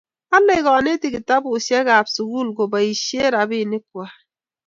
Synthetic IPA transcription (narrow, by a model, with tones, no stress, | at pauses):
a˦le˦ɡɔ˨ne˦ti˨ki˨ta˦bu˨sa˦ɡa˨bsu˨ɡu˦˨lɡo˨ba˨i˨ʃje˦ɾa˨bi˦˨ne˦kwa˨